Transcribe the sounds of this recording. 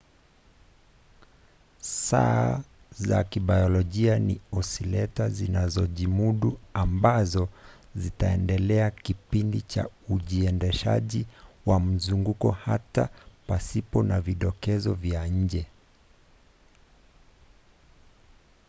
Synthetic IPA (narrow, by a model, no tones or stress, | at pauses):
saː | za̰kiɓajɔlɔʄianiɔsilɛtazinazɔʄimuɗuambazɔzitaɛ̰ndɛlɛakipindit͡ʃa̰uʄiɛndɛʃa̰ʄiwam̩zuŋɡukɔhatapasipɔnaviɗɔkɛzɔvjaɲ̩d͡ʒɛ